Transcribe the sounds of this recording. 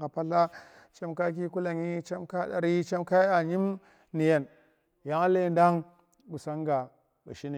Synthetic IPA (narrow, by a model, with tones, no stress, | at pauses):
ka˨pa˦ɬa˦ | t͡ʃa˦mka˦k̬i˦ku˦la˨ŋi˦t͡ʃa˦mka˦da̰˨ɾi˦t͡ʃa˦mka˦i˦a˨ɲi˦m | ni˨ja˨n | ja˦ŋa˦le˦nda˦ŋ | ɡu˨sa˦ŋɡa˨ | bṵ˨ʃi˦ni˨